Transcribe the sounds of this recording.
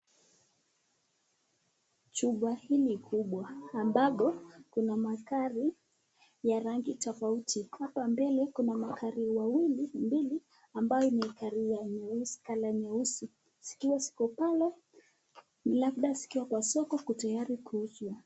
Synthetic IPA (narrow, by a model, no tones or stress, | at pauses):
t͡ʃuɓahilikʰuɓwaːmbaɓɔkunamakaɾi | jaɾaŋɡitɔfautʰihapambɛlɛkunamakʰaɾiwawilimbili | ambajɔinɛkaɾijaɲɛusi̥kalaɲɛusi | si̥kiwasi̥kɔpalɛ | laɓɗasi̥kiwakwasɔkɔkutajaɾikuzwa